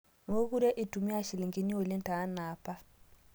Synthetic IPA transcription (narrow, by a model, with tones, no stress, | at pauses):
mo˦ku˦ɾe˦ʔi˨tu˨mi˦a˦˨ʃi˨li˨ŋɡi˦ni˦wo˨li˦nta˨a˦na˨pa˦